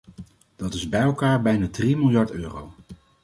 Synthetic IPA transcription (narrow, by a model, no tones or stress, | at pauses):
d̥ɑtɪzbɛjɛlˠkaːɹbɛjnaːdrimɪlˠjɑɹtøːrow